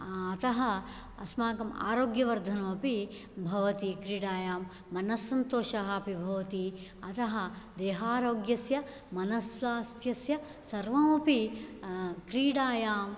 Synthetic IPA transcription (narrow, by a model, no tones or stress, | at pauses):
ɐt̪ɐɦɐ | ɐsmaːkɐma̰ːɾoːɡjɐʋɐɾd̪ʱɐnɐmɐpi | bʱɐʋɐt̪ikɾiːɽaːjaːmː | ɐnɐsːɐnt̪oːʃɐɦɐpibʱɐʋɐt̪iɐt̪ɐɦɐd̪eːɦaːɾoːɡjɐsjɐ | mɐnɐsaːst̪ʰjɐsjɐ | sɐɾʋɐmɐpi | kɾiːɽaːjaːm